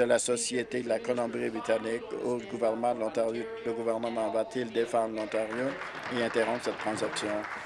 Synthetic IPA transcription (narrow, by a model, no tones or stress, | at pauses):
əlasɔsjet̪ed̪əlakɔlɔ̃bʁibʁit̪anikoɡuvɛʁnəmɑ̃d̪lɔ̃t̪ | ləɡuvɛʁnəmɑ̃vat̪ʰild̪efɑ̃d̪ʁlɔ̃t̪aʁjo | eɛ̃t̪eʁɔ̃psɛt̪ːχɑ̃zaksjɔ̃